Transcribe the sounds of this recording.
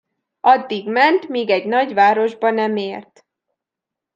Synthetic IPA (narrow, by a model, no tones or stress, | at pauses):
ɒd̪ːiɡmɛnt̪miːɡɛɟnɒɟʋaːɾo̞ʒbɒnɛmeːrt̪